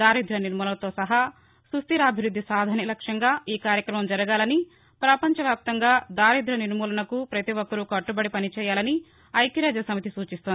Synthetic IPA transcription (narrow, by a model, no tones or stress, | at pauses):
d̪aːɾid̪ʱɾɐniɾmuːlɐt̪o̞ːsɐɦa | sust̪iɾɐːbʱiʋɾud̪ʱːisaːd̪ʱaːnjɐlɐkʂjɐŋɡaːiːkaːɾjɐkɾɐmɐmd͡ʒɐɾɐɡaːlɐni | pɾɐpɐɲt͡ʃɐʋjaːp̚t̪ɐŋɡaːd̪aːɾid̪ɾɐniɾmuːlɐnɐkupɾɐt̪iʋokːɐɾukɐʈːubɐɽipɐnit͡ʃɛːjaːlɐni | ɐjkiɾaːd͡ʒɐsɐmit̪isuːt͡ʃist̪ond̪i